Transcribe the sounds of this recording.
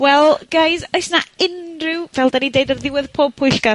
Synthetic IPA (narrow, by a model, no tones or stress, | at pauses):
wɛlˠɡ̥ajzojsnaɪnrɪwvɛlˠdanidejdərðɪwɪðpʰoːb̚pʰːʊjɬka